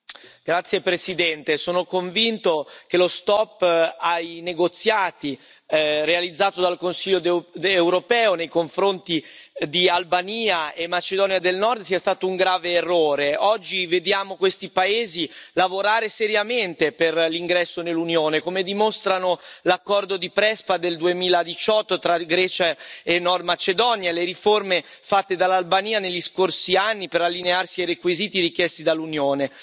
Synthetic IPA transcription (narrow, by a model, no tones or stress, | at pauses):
ɡ̥ɾat̪sːjepɾesid̪ɛnt̪esoːnokoɱvint̪ok̟elost̪ɔpːajneɡot̪sːjaːt̪i | realid̪zːaːt̪od̪alkonsiʎːoewɾopɛːonejkoɱfɾont̪id̪ialbaniːaemːat͡ʃed̪ɔːnjad̪elnɔrd̪siːast̪aːt̪ouŋɡɾaːveːrːoːɾeɔd͡ʒːived̪jaːmokwest̪ipaeːzilavoɾaːɾeseɾjament̪eperliŋɡɾɛsːonelːunjoːnekomed̪imost̪ɾanolakːɔrd̪od̪ipɾɛspad̪eld̪uemiːlad̪it͡ʃɔt̪ːot̪ɾaɡɾɛːt͡ʃaenːɔrd̪mat͡ʃed̪ɔnjaleɾiforme | fat̪ːed̪alːalbaniːaneʎːiskorsianːipeɾalːinearsiajrekwiziːt̪iɾik̟jɛst̪id̪alːunjoːne